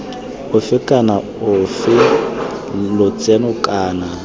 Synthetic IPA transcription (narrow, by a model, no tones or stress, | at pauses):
ʊfɪkʼana | ʊfɪ | lʊt͡sʼɛnʊkʼaːna